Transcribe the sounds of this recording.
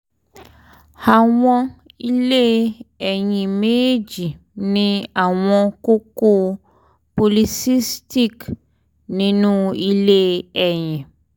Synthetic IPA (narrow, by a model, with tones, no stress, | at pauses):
ha˨w̃ɔ̃˦ | i˦le˦ɛ˨ɲĩ˨mẽ˦e˦d͡ʒi˨ | nĩ˦a˨w̃ɔ̃˦ko˦ko˦ | po˨li˨si˦sti˦k | nĩ˨nũ˦i˦le˦ɛ˨ɲɛ̃˨